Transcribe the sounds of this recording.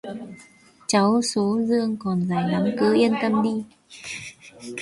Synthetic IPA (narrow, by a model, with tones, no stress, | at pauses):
t͡ɕa˨˦wso˨˦zɨ˧əŋkɔ˨˩nzaː˨˩jna˨˦mkɨ˨˦ʔi˧ənt̪ə˧mɗi˧